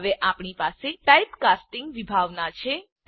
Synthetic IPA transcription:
ʋeʔapɳipaseʈajpkasʈɪŋɡʋibʱaʋnat͡ʃʰe

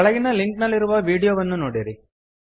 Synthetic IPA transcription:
ɐɭɐɡinɐliŋknɐlːiɾuʋɐʋiːɽijoːʋɐnːunoːɽiɾi

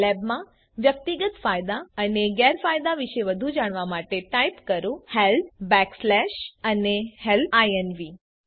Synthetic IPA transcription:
lɛbmã | ʋjək̚t̪iɡət̪fajd̪aəneɡɛɾfajd̪aʋiʃeʋəd̪ʱud͡ʒaɽ̃ʋamaʈeʈajpkəɾũhelbɛkslɛʃənehelaenʋi

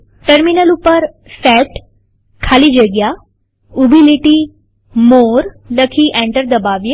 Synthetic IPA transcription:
ʈəɾminəlʊpːəɾ | fɛːʈ | kʰaːlid͡ʒəɡɪja | ubʱiliʈi | moːɾ | nəkʰiʔẽːɳʈəɾd̪ɐbaːʋe

